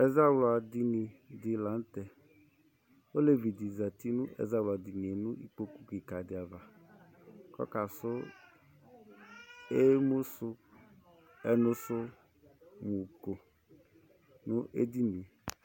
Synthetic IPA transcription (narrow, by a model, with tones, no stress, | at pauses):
ɛ˦za˦wla˨di˧ni˨dɪ˨lã˨˦n̩˦tɛ˨ | o˦le˦vi˨di˨za˨ti˦nʊ̃˦ʔɛ̰˨za˦wla˨di˨ni˨e˨nʊ̃˦ḭ˦k͡po˦ku˦ki˨ka˨dɪ˨a˨va˨ | kɔ̰˦ka˨sʊ˦ | e˦mʊ˦sʊ˦ | ɛ˦nʊ˦sʊ˦ | mu˨ko˨ | nʊ˦ʔḛ˦di˦nĩ˨